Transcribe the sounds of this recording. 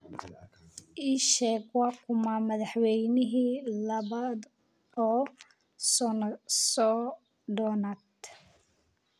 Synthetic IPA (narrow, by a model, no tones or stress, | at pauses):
ʔiːʃɛːɡwɑkʰʊmamɐðɑħwɛjnɪɦiːlɐβaːd̪ | ɔː | sɔnsɔː | ɖɔnad̪